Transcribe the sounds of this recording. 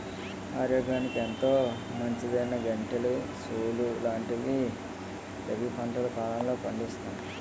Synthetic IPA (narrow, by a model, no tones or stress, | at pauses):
aːɾoːɡaːnikent̪o̞ː | mɐɲt͡ʃid̪ɐjnɐɡɐɳʈɐlu | suːlulaːɳʈid̪i | ɾebipʰɐɳʈɐlɐkaːlɐmlo̞ːpɐɳɖist̪und̪i